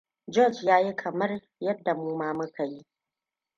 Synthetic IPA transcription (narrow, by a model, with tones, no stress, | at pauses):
d͡ʒɔ˦˨d͡ʒjaː˦ji˦kʰɐ˨mɐ˦r | jɐ˦dːa˨muː˦maː˦mʊ˦kʰa˨ji˦